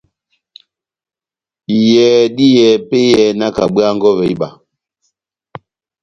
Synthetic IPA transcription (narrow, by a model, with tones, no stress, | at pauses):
i˨jɛ˨ɗi˦jɛ˨pe˦jɛ˨na˦ka˨ɓwa˦ŋɡɔ˦βɛ˨i˦ɓa˨